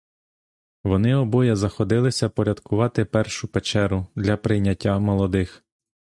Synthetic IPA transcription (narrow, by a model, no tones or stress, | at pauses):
ʋɔnɪɔbɔjɛzɐxɔd̪ɪlˠɪsʲɐpɔɾʲɐd̪kʊʋɑt̪ɪpɛrʃʊpet͡ʃɛɾʊd̪lʲɐpɾɪjnʲɐtʲːɐmɔlˠɔd̪ɪx